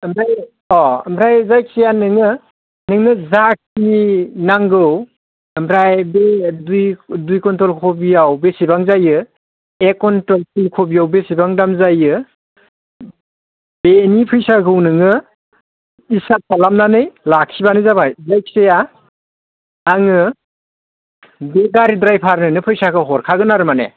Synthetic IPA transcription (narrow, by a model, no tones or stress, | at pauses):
əmɾaj | ɔɐmɾajzajksejanɯŋɯ | nɯŋnɯzak̚ʰninaŋɡɯw | ɐmɾajbedujdujkɔntɾɔlkʰobijawbesibaŋzajɯ | ekɔntɾɔltilkʰobijawbesibaŋdamzajɯ | b̥enipʰɯjsaɡɯwnɯŋɯ | isap̚palamnanɯjlakʰibanɯzabajzajkʰseja | ŋɯ | beɡaɾidɾajpʰaɾnɯnɯpʰɯjsakʰɯɦɔɾkʰaɡɯnaɾɯmanḛ